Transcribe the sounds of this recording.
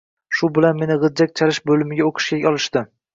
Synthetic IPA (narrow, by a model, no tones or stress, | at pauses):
ʃʊbɪlanme̞nɪʁɨd̪d͡ʒak̚ʲt͡ʃʰalɪʃbolɪmɪɡʲaoqʰɨ̥ʃkʲakʲɒlˠɪʃt̪ɪ